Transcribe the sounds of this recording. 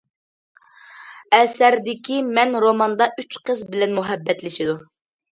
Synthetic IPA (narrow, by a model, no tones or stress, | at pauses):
ɛsæɾd̪ɪkʲimɛnɾomɑnd̪ɑʔyt͡ʃqəzbɪlɛnmuɦɛbːɛt̪lɪʃɪd̪u